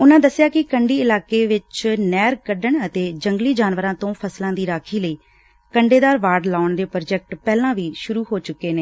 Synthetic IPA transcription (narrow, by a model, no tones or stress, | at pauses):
ʊnãːd̪əsːɪjaːkɪkəɳɖiːɪlaːkeːʋɪt͡ʃnɛːɾkəɖəɳət̪eːd͡ʒəŋɡliːd͡ʒaːnʋəɾãːt̪õːpʰəslãːd̪iːɾaːkʰiːləiː | kəɳɖeːd̪aːɾʋaːɾɖlaːʊɳd̪eːpɾod͡ʒɛk̚ʈpɛːlãːʋiːʃʊɾuːɦoːt͡ʃʊkːeːneː